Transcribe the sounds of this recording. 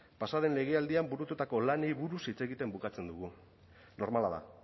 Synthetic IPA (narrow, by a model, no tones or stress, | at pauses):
pasaðe̞nle̞ɣ̞e̞ald̪iambuɾut̪ut̪ako̞lanejβuɾusit͡se̞ɣit̪e̞mbukat͡se̞nd̪uɣu | no̞ɾmalaða̰